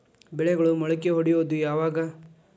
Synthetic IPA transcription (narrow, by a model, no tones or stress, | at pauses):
bɛɭɛɡɐɭumɔɭɐk̬ːeɦoɽijoːd̪ujaːʋaːɡɐ